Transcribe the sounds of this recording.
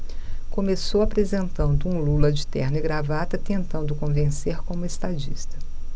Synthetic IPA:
kõmesowapɾezẽnt̪ɐ̃nd̪ʊũlulɐd͡ʒɪt̪ɛɾnɪɡɾavat̪ɐt̪ẽnt̪ɐ̃nd̪ʊkõvẽseɾkõmʊest̪ad͡ʒist̪ɐ̥

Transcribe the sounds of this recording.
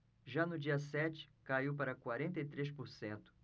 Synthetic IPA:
ʒanʊd͡ʒiɐsɛt͡ʃɪ̥kaiwpaɾɐkwaɾẽnt̪ejt̪ɾespʊɾsẽnt̪ʊ̥

